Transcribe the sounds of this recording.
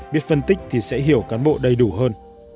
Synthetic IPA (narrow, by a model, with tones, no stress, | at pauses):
ɓi˦˥t̚fə˧nt̪ï˦˥k̟̚t̪ʰi˨˩sɛ̰˧˥ɦi˨˧˩əwkaː˨˦nɓo̰˧˨ɗə˧jɗu˧˩ɦəː˧n